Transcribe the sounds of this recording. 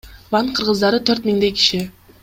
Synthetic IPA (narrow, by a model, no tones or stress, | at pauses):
vɑɴqʰɯɾʁəzd̪ɑɾət̪ʰɵɾt̪miŋd̪ejkʲi̥ʃɪ